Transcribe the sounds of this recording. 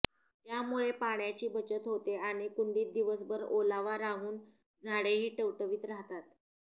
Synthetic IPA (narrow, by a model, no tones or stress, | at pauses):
t̪jamuɭepaɳjat͡ɕiːbət͡ɕət̪ɦot̪eaɽ̃ikuɳɖiːt̪̚d̪iʋəsbəɾolaʋaɾaɦuːn | d͡zʱaɽeɦiːʈəʋʈəʋiːt̪ɾaɦt̪at̪